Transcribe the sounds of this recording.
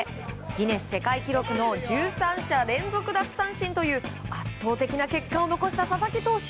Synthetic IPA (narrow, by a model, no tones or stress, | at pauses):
ɡʲine̞sɨ̥se̞kaikʲiɾo̞kɯ̟no̞d͡ʑɨːsãɰ̃ɕaɾẽ̞nzo̞kɯ̟d̪at͡sɨ̥sãɰ̃ɕĩnt̪o̞jɯ̟ːatt̪ːo̞ːt̪e̞kʲinake̞kːao̞no̞ko̞ɕi̥t̪asasakʲit̪o̞ːɕi̥